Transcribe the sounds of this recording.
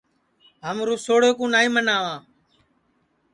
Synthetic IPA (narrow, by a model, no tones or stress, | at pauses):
ɦəmɾũːsoːɽoːkũːnaːĩːmənaːʋãː